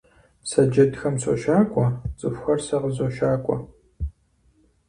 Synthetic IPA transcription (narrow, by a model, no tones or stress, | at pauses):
sɐd͡ʒɐdxɐmso̰ʃaːkʷʼɔt͡sʼɨfʷxɐrsɐʁəzoʃaːkʷʼɔ̰